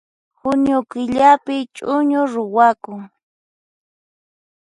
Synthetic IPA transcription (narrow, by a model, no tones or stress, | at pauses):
xʊɲʊkɪʎapɪt͡ʃʼʊɲʊɾʊwakʊŋ